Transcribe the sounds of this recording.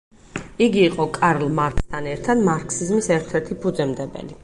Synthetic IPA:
iɡiːqʼɔkʼaɾlˠmaɾkst̪ʰanɛɾt̪ʰad̪maɾksizmisɛɾt̪ʰɛɾt̪ʰipʰud̪zɛmd̪ɛbɛ̰li

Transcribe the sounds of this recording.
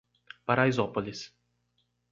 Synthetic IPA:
paɾajzɔpolis

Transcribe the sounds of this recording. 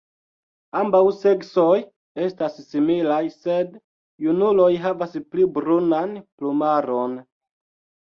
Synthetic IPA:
ambawse̞ksoj | e̞stassimilajse̞dː | unulo̞jɦavasplibɾunanplumaɾo̞n

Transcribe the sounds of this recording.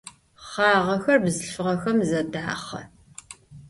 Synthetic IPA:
χaːʁɐxɐrbzɨɬfɨʁɐxɐmzɐdaːχɐ̰

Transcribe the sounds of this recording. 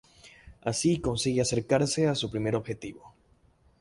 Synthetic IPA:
asiko̞nsiɣease̞ɾkaɾse̞asupɾime̞ɾo̞bxe̞t̪iβo̞

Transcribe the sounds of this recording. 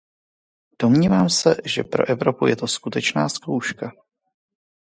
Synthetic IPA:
d̥o̞mɲiːvaːmsɛʒɛ̰pɾo̞ʔɛvɾo̞pujɛt̪o̞skut̪ɛt͡ʃnaːskowʃka

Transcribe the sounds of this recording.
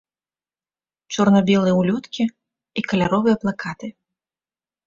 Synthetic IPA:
t͡ʃɔrnɐbʲɛlˠɨjɛwlʲɔt̪kʲi | ikɐlʲaɾɔvɨjɛplˠakʰat̪ɨ

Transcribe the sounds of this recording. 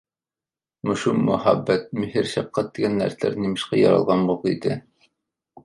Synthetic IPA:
mŏʃumːʊhæ̰bːæt̪̚mɵ̆hiɾʃɑp̚qɑt̪ːiɡænlæ̰ɾt̪æ̰ɾnimɘ̆ʃqɑjɑɾɑ̰lˠʁɑnbulˠid̪ɘ

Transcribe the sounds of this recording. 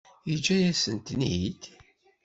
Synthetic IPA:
jid͡ʒæjæsənt̪nid̪

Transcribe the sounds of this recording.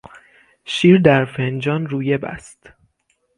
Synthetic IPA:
ʃiːɾd̪æɾfend͡ʒɒːnɾuːjebæ̰st̪

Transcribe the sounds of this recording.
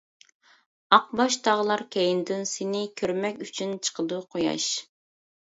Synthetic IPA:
ɑq̚bɑʃt̪ʰɑʁəlˠɑɾkʲʰɛjind̪ɪnsɪnɪkʲʰøɾmɛkʲyt͡ʃʰynt͡ʃʰə̥qʰəd̪uqʰojɑ̰ʃ

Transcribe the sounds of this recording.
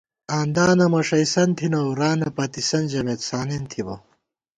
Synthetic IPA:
aːnd̪aːnɐmɐʂɐjsɐnt̪ʰinɐwɾaːnɐpɐt̪isɐnd͡ʑɐmet̪saːnent̪ʰibɐ̰

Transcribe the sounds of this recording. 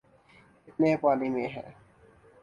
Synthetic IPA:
ɪt̪̚nẽpaːnimẽɦɛ̰̃ː

